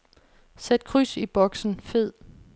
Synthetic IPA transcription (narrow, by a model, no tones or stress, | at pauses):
sed̥̚kʰʁysib̥ɒ̽ɡ̥sn̩fe̝ð̰ˠ